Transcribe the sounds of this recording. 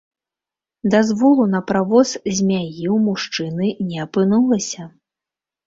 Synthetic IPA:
d̪azvɔlˠunɐpɾavɔszʲmʲajiwmuʂt͡ʂɨnɨnʲɛɐpɨnulˠɐsʲɐ

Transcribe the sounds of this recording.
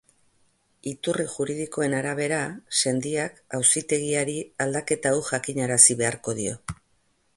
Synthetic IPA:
it̪uriʝuɾið̞iko̞e̞naɾaβ̞e̞ɾase̞nd̪iakawsit̪e̞ɣ̞iaɾiald̪ake̞t̪awʝakiɲaɾasiβe̞aɾko̞ð̞io̞̰

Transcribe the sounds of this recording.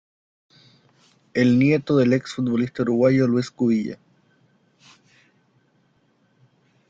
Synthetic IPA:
elnjet̪oðeleksfut̪̚βolist̪auɾuɣwaʝolweskuβiʎḛ

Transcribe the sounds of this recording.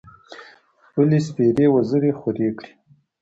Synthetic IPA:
ʊlis̬peɾewazəɾexaɾekɽi̥

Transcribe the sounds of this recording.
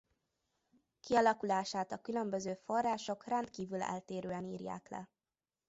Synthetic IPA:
kiɒlɒkulaːʃaːt̪ɒkylømbøzøːfo̞rːaːʃo̞krɛnt̪kiːvylɛ̰lt̪eːɾøːɛnḭːrja̰ːklɛ̰

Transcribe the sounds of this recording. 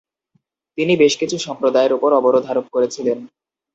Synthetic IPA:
t̪inibeʃkit͡ɕʰuʃɔmpɾod̪aeɾupoɾɔboɾod̪ʱɦaɾop̚koɾet͡ɕʰilen

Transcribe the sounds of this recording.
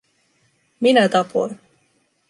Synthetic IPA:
minæt̪ɑpʰojn

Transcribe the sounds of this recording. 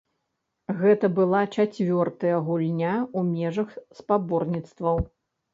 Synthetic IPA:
ɣɛt̪ɐbɨlˠat͡ʂat͡sʲvʲɔrt̪ɐjɐɣulʲnʲaumʲɛʐɐxspabɔrnʲit̪st̪vɐw

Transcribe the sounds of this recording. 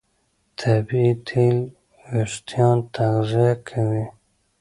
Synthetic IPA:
t̪ʰabit̪ʰil | wɪʂt̪jɑnt̪aɣziakʰawi

